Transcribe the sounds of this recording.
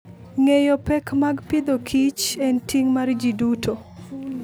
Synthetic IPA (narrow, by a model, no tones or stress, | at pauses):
ŋejopɛkmaɡpɪd̪okʰit͡ʃɛntiŋmard͡ʒidutʰo